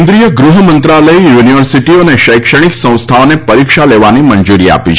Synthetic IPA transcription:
nd̪ɾijəɡɾuɦəmə̃nt̪ɾaləijuniʋəɾsiʈioneʃəjkʃəɽ̃iksə̃w̃st̪ʰaonepəɾikʃaleʋanimənd͡ʒuɾia̰pit͡ʃʰ

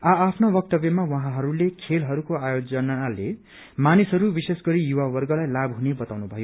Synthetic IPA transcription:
aːpʰnobʌk̚t̪ʌbjemawaɦãɦʌɾulekʰelɦʌɾukoajod͡zʌnaale | manisɦʌɾubisesɡʌɾijuwawʌrɡʌlajlabɦunebʌt̪awnubʱʌjo

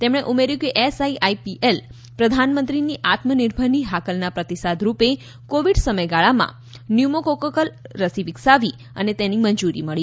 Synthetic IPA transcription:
t̪emɽ̃eʔumeɾjũkeʔesaiʔaipiʔel | pɾəd̪ʱanmənt̪ɾiniʔat̪məniɾbʱəniɦakəlnapɾət̪isad̪ʱɾupe | koʋiɖsəməjɡaɭamã̰ | njumokokəkəlɾəsiʋiksaʋi | ə̰net̪enimənd͡ʒuɾḭməɭi

